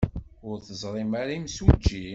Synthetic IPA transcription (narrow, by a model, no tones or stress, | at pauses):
ʊɾθəzˤɾˤimaɾaimsud͡ʒːi